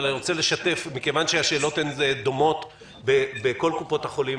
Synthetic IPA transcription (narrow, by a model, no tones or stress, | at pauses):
liʁot͡sele̞ʃate̞fmikevanʃeaʃe̞ːlo̞t̪enzed̪o̞mo̞t̪ | bebeko̞lkupo̞t̪haχo̞lim